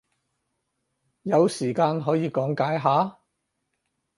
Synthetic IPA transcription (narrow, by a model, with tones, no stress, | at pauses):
jɐ˨˧wsiː˨˩kaː˧nɦɔː˨˥jiː˨˧kɔː˨˥ŋkaː˨˥jɦaː˨˥